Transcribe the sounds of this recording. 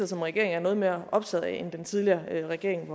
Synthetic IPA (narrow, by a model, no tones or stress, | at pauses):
ɐsɒ̽mʁɛɡ̥e̝ɐ̰eŋæɐnɔ̽ːð̞̩ˠme̝ɐɒ̽b̥t͡sʰɛð̞ˠend̥ent͡sʰið̞ˠliɐʁɛɡ̥e̝ɐ̰e̝ŋʋɒ